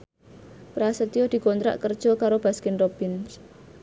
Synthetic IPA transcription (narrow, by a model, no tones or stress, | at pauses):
pɾasət̪ijɔd̪̥i̤kɔnt̪ɾa̰ʔkərd̥ʒ̥ɔ̤kaɾob̥a̤skɪnrob̥ɪns